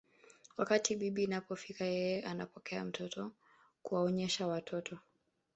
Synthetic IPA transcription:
wakatiɓiɓinapɔfikajɛjɛʔanapɔkʰɛam̩tʰɔtʰɔ | kuwaɔɲɛʃawatʰɔtʰɔ

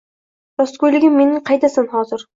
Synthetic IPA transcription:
ɾɒskojlɪɡʲɪmːe̞nɪŋqʰɑjd̪asanɦɒzɪɾ

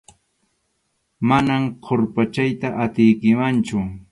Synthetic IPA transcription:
manamqʰoɾpat͡ʃajt̪aʔat̪ɪjkɪmant͡ʃʊ

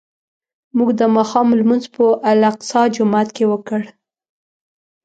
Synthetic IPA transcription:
muɡd̪əmɑxɑmlmunzpəʔalaqsɑd͡ʒʊmat̪kewəkəɽ

